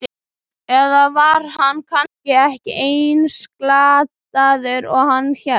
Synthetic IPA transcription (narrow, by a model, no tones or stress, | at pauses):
ɛðavaɾ̥hanːkʰanscɪɛhcɪʔeːjnsklaːt̪aðʏɾɔɣhanːçɛ